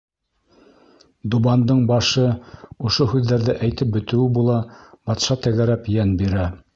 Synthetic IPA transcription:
d̪ubɑnd̪ɤɴbɑʃɤŏʃohʉðːæɾðɘʔæjt̪ɘp̚bɵ̆t̪ɘ̆wɘbulˠɑbɑt̪ʃɑt̪æɣæɾæpjænbiɾæ

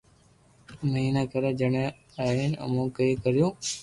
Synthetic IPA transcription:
məɦiːnaːkəɾeːd͡ʒəɳẽː | aːiːnə̰mũːkəiːkəɾɪjõː

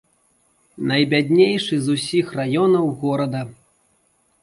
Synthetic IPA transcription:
nɐjbʲad̪ʲnʲejʂɨzusʲixrajɔnɐwɣɔɾɐd̪ɐ

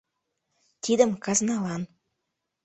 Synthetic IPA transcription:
t̪ʰid̪ə̆mkɑznɑlɑn

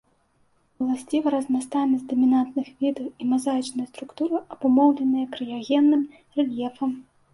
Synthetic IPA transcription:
ulˠasʲt͡sʲivɐɾɐzmʲast̪anʲɐzʲd̪ɐmʲinant̪nɨxvʲid̪ɐwimazajit͡ʂnɐjɐst̪ɾukt̪uɾɨʔɐbumɔwlʲɛnɨjɐkɾɨjaɣʲɛnːɨm | rɛlʲjɛfɐm

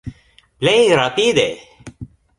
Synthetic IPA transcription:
bleɾat̪iːd̪e

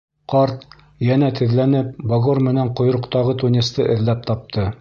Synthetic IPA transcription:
qɑɾt̪ | jænæt̪ɘ̆ðlænɘp̚boɣoɾmɘ̆næɴqŏjɾɤ̆qt̪ɑʁɤt̪unʲist̪ɤʔɘ̆ðlæp̚t̪ɑp̚t̪ʰɤ

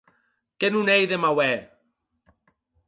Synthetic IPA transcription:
kɛnunejðəmawɛ

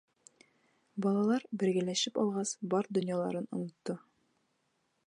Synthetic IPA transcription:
bɒlˠɑlˠɑɾbɘ̆ɾɡæ̆læʃɘpɒ̰lˠʁɑsbɒɾd̪ŏnjɑlˠɑ̰ɾɤnŏ̰nŏt̪ːɤ

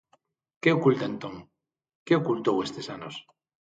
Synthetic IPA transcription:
keokult̪aent̪oŋ | keokult̪owest̪esanos

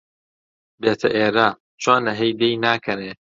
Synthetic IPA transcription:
beːt̪ʰɐʔeːɾaː | t͡ʃʰaːnɐɦejd̪ejnaːkʰɐneː

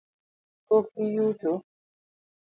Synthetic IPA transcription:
kokijuto

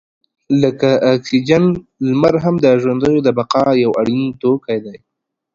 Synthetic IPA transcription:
ləkaʔːksid͡ʒanlmaɾɦamd̪əʒwand̪əjod̪əbaqɑjawaɽint̪okajd̪aj

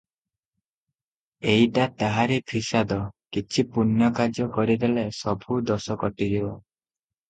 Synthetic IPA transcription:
eiʈat̪aɦaɾepʰisad̪ɔkit͡ʃʰipunjɔkad͡ʒjɔkɔɾid̪elesɔbʱud̪ɔsɔkɔʈid͡ʒibɔ

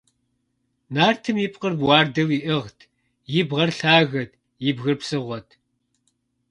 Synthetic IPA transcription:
naːrtʰɨmjipʼqərbwɑːrdɐwiʔɨʁtʰ | jɪbʁɐrɬaːɣɐt̚ʰ | jɪbɣɨrpsɨʁʷɔtʰ

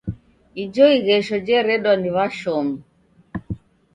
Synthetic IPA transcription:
id͡ʒɔiɣɛʃɔd͡ʒɛɾɛɗwaniβaʃɔmu

